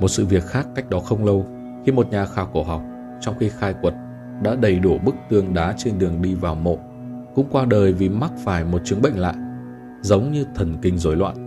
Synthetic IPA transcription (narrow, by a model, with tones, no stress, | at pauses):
mo˨˩t̚sɨ̰˧˨vi˨˩ət̚xaː˦˥kːa˦˥jk̟̚ɗɔ˨˦xə˧wŋ͡mlə˧w | xi˧mo˨˩t̚ɲaː˨˩xaː˨˩wku˧˩əɦa˨˩wk͡p̚ | t͡ɕɔ˧wŋ͡mxi˧xaː˧jkwə˨˩t̚ | ɗa̰ː˧˥ɗə˧˩jɗu˧˩ɓɨ˦˥k̚t̪ɨ˧˩əŋɗaː˨˦t͡ɕe˧nɗɨ˨˩əŋɗi˧vaː˨˩wmo̰˧˨ | kʊ̰˧˥ŋ͡mkwaː˧ɗəː˨˩jvi˨˩ma˦˥k̚faː˧˩jmo˨˩t̚t͡ɕɨ˨˦əŋɓə̰˧˨ŋ̟la̰ː˧˨j | zə˨˦wŋ͡mɲɨ˧t̪ʰə˧˩nkï˧˩ŋ̟zo˨˦jlwa̰ː˧˨n